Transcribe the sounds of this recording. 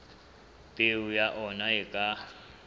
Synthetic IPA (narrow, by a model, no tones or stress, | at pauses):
pʼeujaʔɔnaɛkʼa